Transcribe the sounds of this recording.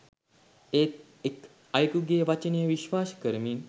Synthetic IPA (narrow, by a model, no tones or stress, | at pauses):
et̪ | ek | ajkuɡeʋat͡ɕənijəʋiɕʋaːskəɾmiːn